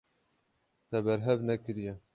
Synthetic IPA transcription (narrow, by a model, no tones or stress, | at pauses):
t̪ɛbɛɾɦɛvnɛkɨɾijɛ